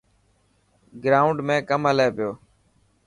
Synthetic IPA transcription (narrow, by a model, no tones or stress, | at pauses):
ɡɾaːʊɳɖmẽːkəməleːpɪjoː